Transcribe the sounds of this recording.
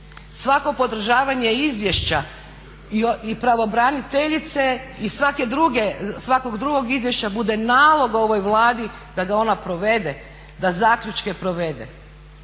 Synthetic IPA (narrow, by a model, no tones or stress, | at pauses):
sʋako̞po̞d̪r̩ʒaːʋaɲe̞izʋje̞ʃt͡ɕa | ioipɾaʋo̞bɾanit̪eʎit̪se̞isʋake̞d̪ɾuɡe̞sʋako̞ɡd̪ɾuɡo̞ɡizʋje̞ʃt͡ɕabud̪e̞naːlˠo̞ɡo̞ʋo̞jʋlˠaːd̪i | d̪aɡao̞napɾo̞ʋe̞d̪e | d̪azaːkʎut͡ʃke̞pɾo̞ʋe̞d̪ḛ